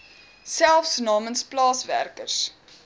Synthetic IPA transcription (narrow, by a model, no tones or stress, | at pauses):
sælˠfsnɑːmənsplɑːsvæ̰rkərs